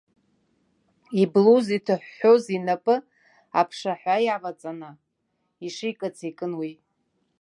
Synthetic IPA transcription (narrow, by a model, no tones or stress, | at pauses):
ibluzitʰɨħʷːozinapʼɨ | apʰʂaħʷajaʁat͡sʼanɨ | iʂɪjkʼat͡sʰikʼɨnwi